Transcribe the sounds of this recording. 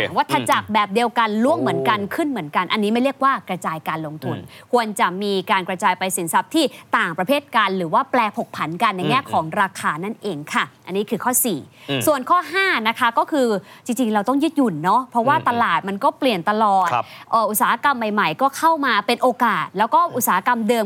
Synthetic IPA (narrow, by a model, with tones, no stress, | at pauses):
waː˦˥˩t̪ʰːa˧t͡ɕa˨˩k̚bɛː˨˩p̚di˧əwka˧nlu˥˩əŋmɯ˩˦ənka˧nkʰɯ˥˩nmɯ˩˦ənka˧nʔa˧nːiː˦˥ma˥˩jɾi˥˩ək̚waː˥˩kɾa˧t͡ɕaː˧jkaː˧nlo˧ŋt̪ʰu˧nkʰu˧ənt͡ɕa˨˩miː˧kaː˧nkɾa˧t͡ɕaː˧jpa˧jsi˩˦nsa˦˥p̚t̪ʰiː˥˩t̪aː˨˩ŋpɾa˧pʰeː˥˩t̪̚ka˧nɾɯː˩˦waː˥˩plɛː˧pʰo˨˩k̚pʰa˩˦nka˧nːa˧jŋɛː˥˩kʰɔː˩˦ŋɾaː˧kʰaː˧na˥˩nʔeː˧ŋkʰa˥˩ʔa˧nːiː˦˥kʰɯː˧kʰɔː˥˩siː˨˩su˨˩ənkʰɔː˥˩ɦaː˥˩na˦˥kʰa˦˥kɔː˥˩kʰɯː˧t͡ɕi˧ŋt͡ɕi˧ŋɾa˧wt̪ɔ˥˩ŋjɯ˦˥t̪̚ju˨˩nːɔ˦˥pʰɾɔ˦˥waː˥˩t̪a˧laː˨˩t̪̚ma˧nkɔː˥˩pli˨˩ənt̪a˧lɔː˨˩t̪ʔɤː˨˩ʔu˨˩t̪̚saː˦ha˦˥ka˧mːa˨˩jma˨˩jkɔː˥˩kʰa˥˩wmaː˧pe˧nʔoː˧kaː˨˩t̪̚lɛː˦˥wkɔː˥˩ʔu˨˩t̪̚saː˨˩ha˦˥ka˧mdɤː˧m